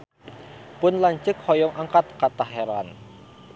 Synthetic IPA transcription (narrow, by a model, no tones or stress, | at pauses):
pʊnlaɲt͡ʃəkhɔjɔŋʔaŋkat̪̚kat̪aɦeɾan